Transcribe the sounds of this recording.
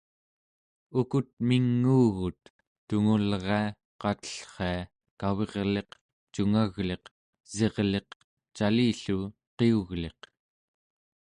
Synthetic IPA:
ukut̪̚miŋːuːɣut̪̚ː | uŋulʁea | qɑt̪ə̥ɬχea | kawe̞ʁle̞q | t͡ʃuŋaɣle̞q | z̥e̞ʁle̞q | t͡ʃaliːɬu | qeuɣle̞q

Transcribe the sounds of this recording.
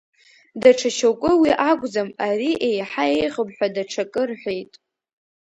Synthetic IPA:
daʈ͡ʂʰaʃawkʷʼʊwiʔakʷʼd͡zamaɾiʔejħae̞jʁəbħʷᶣadaʈ͡ʂʰakʼɨrħʷᶣejtʼ

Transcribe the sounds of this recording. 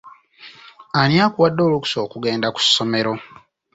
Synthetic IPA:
anjaːkuwadːo̞ːluku̥so̞ːkuɡe̞ːndaku̥sːo̞me̞ɾo̞

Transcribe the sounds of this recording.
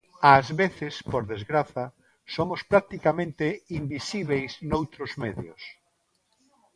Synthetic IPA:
azβeθɪspoɾðezɣɾaθɐ | somʊspɾak̚t̪ikamẽnt̪eimbisiβejsnowt̪ɾʊzmeðjʊ̰s

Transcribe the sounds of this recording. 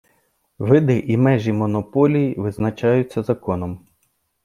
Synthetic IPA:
ʋɪd̪ɪʔimɛʒimɔnɔpɔlʲijiʋɪznɐt͡ʃɑjʊt͡sʲːɐzɐkɔnɔm

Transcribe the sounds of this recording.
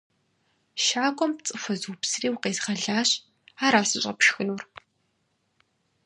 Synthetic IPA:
ʃaːkʷʼɔmpt͡sʼɨfʷɐzuwpsriːwqeːzʁɐɮaːɕ | aːɾaːsɨɕʼɐ̰pʃxɨnuːr

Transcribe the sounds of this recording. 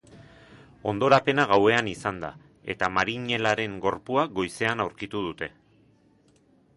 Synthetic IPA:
o̞̰nd̪o̞ɾape̞naɣawe̞anisand̪a̰ | e̞̰t̪amaɾiɲe̞laɾe̞ŋɡo̞ɾpuaɡo̞jse̞anawɾkit̪uð̞ut̪e̞

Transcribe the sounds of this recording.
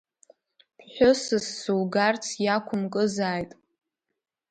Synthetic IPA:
pʰħʷᶣʊsɨsːɨlɡart͡sʰjakʷʰʊmkʼɨzaːjtʼ

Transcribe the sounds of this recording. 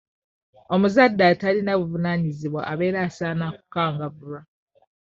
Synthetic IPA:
o̞muzadːatalinaβuvunaɲiziβwa̰ʔaβe̞ːɾaːsaːnaku̥kaːŋɡaβuɾa

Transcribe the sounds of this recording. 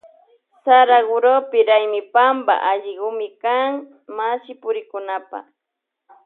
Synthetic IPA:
saɾaɢʊɾopɪɾajmɪpamba̰ʔaʎɪɢʊmɪkaŋ | masɪpʊɾɪkʊnapa̰

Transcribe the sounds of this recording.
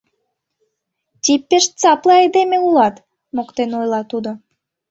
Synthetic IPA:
t̪ʲipːeʃt͡sɑplɑed̪emeulɑt̪ | mokt̪enojlɑt̪ud̪o

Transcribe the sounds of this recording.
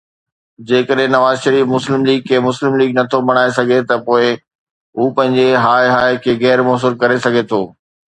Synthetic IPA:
d͡ʑeːkəɗɦɪ̃nɐʋaːzʃɐɾiːfmʊslɪmliːɡ̚kʰeːmʊslɪmliːɡnɐt̪ʰobɐɽ̃aːesɐɡʱet̪ɐpoːɪ | ɦuːpɐ̃ɦɪ̃ɲd͡ʑeɦaːɪɦaːɪkʰeːɣɛːɾmoːs̬ʊlkɐɾesɐɡʱet̪ʰoː

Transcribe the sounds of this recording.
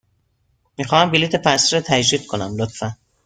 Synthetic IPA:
mixɒːhæmbiliːt̪ʰepæsɾɒt̪ʰæd͡ʒdiːd̪̥̚kʰo̞næmlot̪fæn

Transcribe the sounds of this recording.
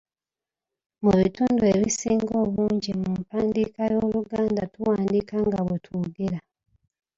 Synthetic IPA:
muβituːndueβisiːŋɡo̞ːβuːɲɟimumpaːndikajoːluɡaːndatuwaːndikaŋɡaβwetʰuɡeɾa

